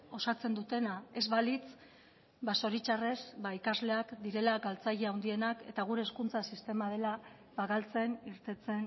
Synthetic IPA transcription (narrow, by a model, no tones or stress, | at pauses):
o̞sat͡se̞nd̪ut̪e̞nae̞zβalit͡s | baso̞ɾit͡ʃare̞sbaikazle̞akd̪iɾe̞laɡalt͡saʎeawnd̪ie̞nake̞̰t̪aɣ̞uɾe̞ːskunt͡sasist̪e̞mað̞e̞la | baɣalt͡se̞niɾt̪e̞t͡se̞n